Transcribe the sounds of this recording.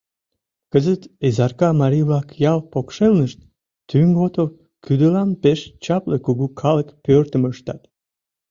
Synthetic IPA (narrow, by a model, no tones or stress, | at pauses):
kəzət̪ezɑrkɑmɑɾʲijβlɑkjɑlpokʃelnəʃt̪ | t̪yŋɡot̪ov | kyd̪əlɑnpeʃt͡ɕɑplekuɣukʰɑləkpørt̪əməʃt̪ɑt̪